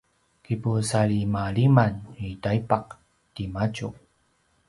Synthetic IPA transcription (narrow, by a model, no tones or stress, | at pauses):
kipusaɭimaɭimanitaipaq̚ | timat͡ɕu